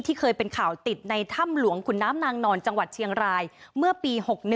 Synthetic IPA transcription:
t̪ʰiː˥˩kʰɤː˧jpe˧nkʰaː˨˩wt̪i˨˩t̪̚na˧jt̪ʰa˥˩mlu˩˦əŋkʰu˨˩˦nːaː˦˥mnaː˧ŋnɔː˧nt͡ɕa˧ŋwa˨˩t̪̚t͡ɕʰi˧əŋɾaː˧jmɯ˥˩ɐpiː˧ho˨˩k̚n˩

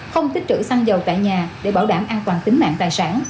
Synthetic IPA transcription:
xə˧wŋ͡mt̪i˦˥t͡ɕ̪ɨ̰˧˥sa˧ŋzə˨˩wt̪a̰ː˧˨jɲaː˨˩ɗe˧˩ɓaː˧˩wɗaː˧˩mʔaː˧nt̪waː˨˩nt̪ï˨˦ŋma̰ː˧˨ŋt̪aː˨˩jsaː˧˥n

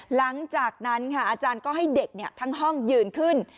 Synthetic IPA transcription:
la˨˩˦ŋt͡ɕaː˨˩k̚na˦˥nkʰa˦˥˩ʔaː˧t͡ɕaː˧nkɔː˥˩ɦa˥˩jde˨˩k̚ni˧˩t̪ʰa˧˥ŋɦɔ˥˩ŋjɯː˨˩nkʰɯ˦˥˩n

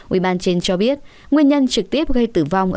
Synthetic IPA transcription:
ʔwḭ˧˩ɓaː˧nt͡ɕe˧nt͡ɕɔ˧ɓi˦˥ət̚ | ŋwi˧ənɲə˧nt͡ɕɨ˨˩k̚t̪i˦˥əp̚ɣə˧jt̪ɨ˧˩va˧wŋ͡mʔ

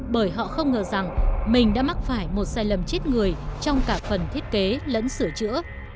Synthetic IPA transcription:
ɓəː˧˩jɦɔ̰˧˨xə˧wŋ͡mŋəː˨˩za˨˩ŋmï˨˩ŋ̟ɗa̰ː˧˥ma˦˥t̚faː˧˩jmo˨˩t̚saː˧˩jlə˨˩mt͡ɕe˦˥t̚ŋɨ˨˩əjt͡ɕɔ˧wŋ͡mkaː˧˩kfə˨˩nt̪ʰi˦˥ət̚ke˨˦lə̰˧˥nsɨ˧˩ət͡ɕɨ̰˧˥ə

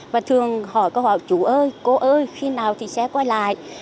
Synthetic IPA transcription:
vaː˨˩t̪ʰɨ˨˩əŋhɔ˧˩jkɔ˧whɔ˧˩˨jt͡ɕu˧˩ʔəː˧jko˨˦ʔəː˧jxi˧naː˨˩wt̪ʰi˨˩sɛ̰˧˥kwaː˧jla̰ː˧˨jʔ

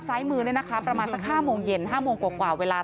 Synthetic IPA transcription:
p̚saː˨˦˥jmɯː˧nː˦˥˩jna˦kʰa˦˥pɾa˧maː˧nsa˨˩k̚haː˥˩moː˧ŋje˧nɦaː˥˩moː˧ŋkwaː˨˩kwaː˨˩weː˧laː˧

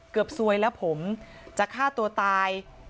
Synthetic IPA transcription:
kɯ˨˩p̚su˧əjlɛ˦˥wpʰo˩˦mt͡ɕa˨˩kʰːaː˥˩t̪u˧ɐt̪aː˧j

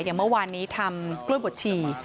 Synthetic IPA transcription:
jaː˨˩ŋmɤ˥˩waː˧nːiː˦˥t̪ʰa˧mklu˥˩əbo˨˩t̪̚t͡ɕʰiː˨˩

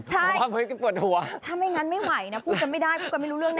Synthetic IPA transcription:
t͡ɕʰaː˧˩˦aː˧˦vəː˨˦kaː˨˦ku˨˩ət̚hu˨˩˦ət̪ʰaː˧˩mha˧˩jŋa˧nma˧˥jwa˨˩˦jnaː˨˦˥pʰu˧˥ka˨˩ma˧˩jɗaː˧jkʰu˧˥ka˨˩ma˧˩jlu˧˥lɨ˧əŋna˧

